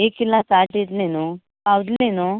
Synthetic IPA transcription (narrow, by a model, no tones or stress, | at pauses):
eːkilːasaːʈid̪lenu | awd̪lenu